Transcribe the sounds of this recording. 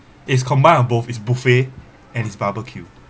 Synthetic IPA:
iskʰɔ̃mbãɪɔ̃nbofisbufe | ɛ̃nisbabəkʰju

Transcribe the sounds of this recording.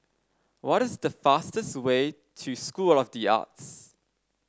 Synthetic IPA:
wɔɾɪzdəfastəstwe | tʰuskulɔvdia̰ts

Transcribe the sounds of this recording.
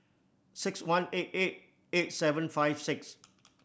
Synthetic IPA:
sɪkswãnet̚et̚ | et̚sɛvə̃nfajvsɪks

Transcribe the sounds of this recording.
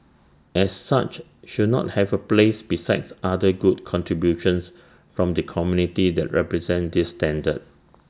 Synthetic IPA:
ʔɛsːat͡ʃ | ʃud̚nɔ̰t̚hɛvəplesbisaɪtsadəɡud̚kʰɔ̃ntɹibjuʃə̃ns | fɹɔ̃mdəkʰɔmjunitidɛ̰t̚ɹɛpɹɛzɛ̃ndisːtɛ̃ndə̰d̚

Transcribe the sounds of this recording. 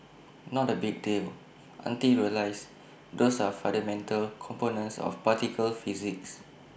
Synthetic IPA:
nɔt̚dəbiɡ̚del | ʔã̰ntiɹiəlaɪs | dosafãndəmɛ̃ntʰəlkʰɔ̃mponə̃nsɔ̰fpatikʰəlfiziks

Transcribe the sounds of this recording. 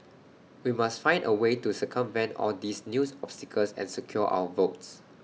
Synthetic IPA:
wimastfãɪ̃ndʔəwetusəkʰə̃mvɛ̃ntɔ̰ldisnjusɔpstikʰəlsɛ̰̃nsəkʰjɔʔa̰wəvoʊts

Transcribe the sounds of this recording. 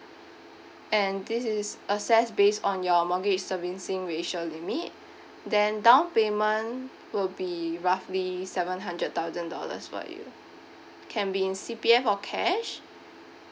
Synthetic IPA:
ʔɛ̃ndisisəsɛsbesɔ̃njɔmɔɡit͡ʃsəvĩnsɪ̃ŋɹeʃəlimit̚ | dɛ̃ndãʊ̃npemə̃n | wilbiɹaflisɛvə̃nɦãndɹət̚t̪aʊzə̃ndɔ̰lə̰sfɔ̰jṵ | kʰɛ̃nbiĩnsipiɛfɔkʰɛʃ

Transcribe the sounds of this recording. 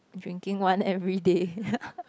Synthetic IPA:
dɹĩŋkĩŋwãnɛvɹide

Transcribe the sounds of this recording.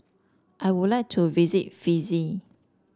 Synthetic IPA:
ʔajwudlajk̚tʰuvizit̚fizi

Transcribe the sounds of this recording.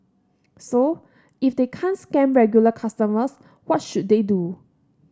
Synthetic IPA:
so | ifdekʰãnskɛ̃mɹɛɡjuləkʰastəməs | wɔt̚ʃut̚dedu

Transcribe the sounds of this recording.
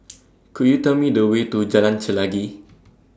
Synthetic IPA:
kʰuʔjut̪əmĩdəwet̪ud͡ʒalãnt͡ʃəlaɡi

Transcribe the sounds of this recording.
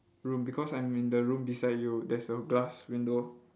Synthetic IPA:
ɹũmbikʰɔsãj̃mĩndəɹũmbisaɪdjudɛsəɡlaswĩndo

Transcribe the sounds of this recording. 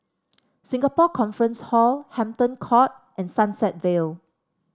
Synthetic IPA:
sĩŋɡəpɔkʰɔ̃nfɹə̃nshɔlhɛ̃mtə̃nkʰɔt̚ | ʔɛ̃nsãnsɛt̚vel

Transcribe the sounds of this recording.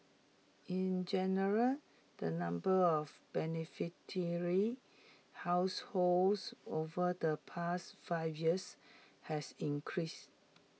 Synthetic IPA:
ĩnd͡ʒɛnəɹəl | d̥ənãmbəɔfb̥ɛnifitʰəɹi | haʊsholsovədəpʰastfaɪvjiəs | hɛsĩnkʰɹis

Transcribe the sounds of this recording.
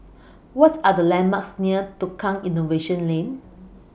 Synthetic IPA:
wɔtadəlɛ̃nmaksniətukʰãŋĩnoveʃə̃nlẽn

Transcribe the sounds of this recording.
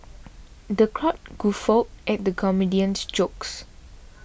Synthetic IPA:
dəkʰɹɔt̚ɡ̥ufɔt̚ʔɛt̚dəkʰɔmidiə̃nsd͡ʒoks

